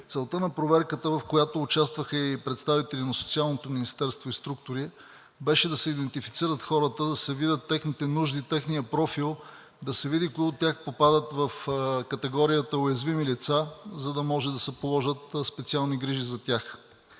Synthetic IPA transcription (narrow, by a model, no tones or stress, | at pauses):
t̪sɛlˠt̪ənɐpɾovɛɾkət̪əvɐfkojat̪oːt͡ʃast̪vəxəipɾɛt̪st̪avit̪ɛlinɐsot̪sialˠnot̪ominist̪ɛɾst̪voist̪ɾuk̚t̪ʊɾi | bɛʃɛd̪ɐsɛid̪ɛnt̪ifit̪siɾət̪xɔɾət̪əd̪ɐsɛvid̪ət̪ːɛxnit̪ɛnuʒd̪it̪ɛxnijəpɾɔfilˠ | d̪ɐsɛvid̪ikoɡot̪ʲjaxpopad̪ət̪vɐfkɐt̪ɛɡɔɾijət̪əojɐzvimilit̪sazɐd̪ɐmɔʒɛd̪ɐsɛpolˠɔʒət̪spɛt̪sialˠniɡɾiʒizɐt̪ʲax